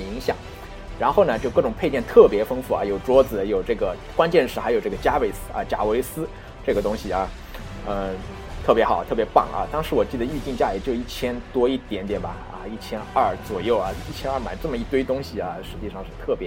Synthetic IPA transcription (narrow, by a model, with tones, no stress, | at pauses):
i˧˥ŋɕjɑ̰˨˩˦ŋ | ɻa˧˥nxo˥˩ʊnə˩t͡ɕjo˥˧ʊkɤ˥˩ʈ͡ʂʊ˨˩ŋpʰe˥˧t͡ɕjɛ˥˧nt̪ʰɤ˥˩pjɛ˧˥fɤ˥ŋfu˥˩ɐ̰˧˩jo˨˩ʊʈ͡ʂwɔ˥d͡zɹ̩˨˩˧jo˨˩ʊʈ͡ʂɤ˥˩ɡə˩ | kwa˥nt͡ɕjɛ˥˧nʂɻ̩˥˩xjo˨˩ʊʈ͡ʂɤ˥˩ɡə˩t͡ɕja˥we˨˩ɪsɹ̩˥ɐ̰˧t͡ɕja̰˨˩we˧˥ɪsɹ̩˥ | ʈ͡ʂɤ˥˩ɡə˩t̪ʊ˥ŋɕi˨˩ɐ˧˩ | ə˧ | t̪ʰɤ˥˩pjɛ˧˥xɑ˨˩ʊt̪ʰɤ˥˩pjɛ˧˥pɑ̰˥˩ŋɐ̰˧t̪ɑ˥ŋʂɻ̩˧˥wɔ˨˩t͡ɕi˥˩d̪ə˩y˥˧t͡ɕi˥˧ŋt͡ɕja˥˩li˨˩t͡ɕjo˥˧i˥˩t͡ɕʰjɛ˥nt̪wɔ˥i˥˩t̪jɛ˧˥nt̪jɛ˨˩nbɐ˨˩ | ɐ̰˧i˥˩t͡ɕʰjɛ˥nɐ˥˩t͡swɔ˨˩jo˥˩ʊɐ˩i˥˩t͡ɕʰjɛ˥nɐ˞˥˩ma̰˨˩ɪʈ͡ʂɤ˥˩mə˩i˥˩t̪we˥ɪt̪ʊ˥ŋɕi˨˩ɐ˦ʂɻ̩˧˥t͡ɕi˥˧ʂɑ˥˧ŋʂɻ̩˥˧t̪ʰɤ˥˩pjɛ˧˥